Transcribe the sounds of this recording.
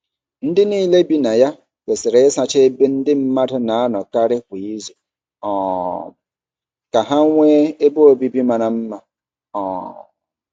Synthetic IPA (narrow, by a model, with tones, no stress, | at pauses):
n̩˦dɪ˦niː˦le˦bi˦na˨ja˦ | ke˨sɪ˨ɾe˨ɪ˦sa˨t͡ʃe˦e˦be˦n̩˦dɪ˦m̩˦ma˦dʊ˦na˨a˦nɔ˨ka˦ɾɪ˦kʷi˨i˦zu˨ | ɔː˨ | ka˨ɦa˦ŋʷe˦e˦bo˦o˦bi˦bi˦ma˨na˨m̩˦ma˨ | ɔː˨